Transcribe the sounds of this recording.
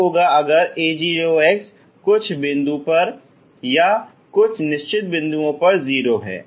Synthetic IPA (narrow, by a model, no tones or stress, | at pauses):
oːɡaɐɡəɾeːd͡ʒiːoːeːks | kʊt͡ʃʰbɪ̃nd̪ũpɐɾ | ja | kʊt͡ʃʰnɪʃt͡ʃɪt̪̚bɪ̃nd̪uõpɐɾziːɾoɦɛ̰ː